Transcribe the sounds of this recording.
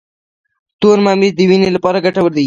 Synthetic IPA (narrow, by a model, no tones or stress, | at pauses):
t̪oɾmɑmizd̪əwinelapɑɾaɡaʈawəɾd̪ai